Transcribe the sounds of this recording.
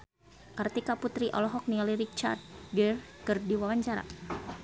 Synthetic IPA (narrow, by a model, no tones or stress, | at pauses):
kart̪ikaput̪ɾiʔɔ̰lɔɦɔk̚nialiɾit͡ʃa̰rd̪̚ɡɛrkərdiwawaɲt͡ʃaɾa̰